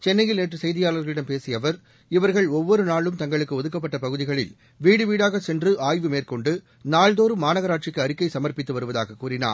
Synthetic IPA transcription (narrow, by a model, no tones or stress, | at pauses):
t͡ʃɛnːɐjɪlneːʈrɯsɛjðɪjaːɭɐɾɣɐɭɪɽɐmpeːsɪjɐʋɐɾ | ɪʋɐɾɣɐɭɔʋːɔɾɯnaːɭɯmt̪ɐŋɡɐɭɯkːɯɔðɯkːɐp̬ːɐʈːɐpɐɣɯðɪɣɐɭɪ̰l | ʋiːɽɯʋiːɽaːɣɐsɛndrɯʔaːjʋɯmeːrkɔɳɖɯ | naːɭd̪oːɾɯmaːnɐɣɐɾaːʈ̚t͡ʃɪkːɯɐɾɪkːɐɪsɐmɐɾpɪt̪ːɯʋɐɾɯʋɐða̰ːɣɐkːuːrɪna̰ː